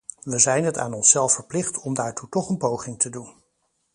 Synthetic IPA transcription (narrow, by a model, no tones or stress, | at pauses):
ʋəzɛjnɦəta̰ːnɔnsɛlˠfəɹplɪχtʰɔmdaːɹtutɔχənpowχɪŋtʰədun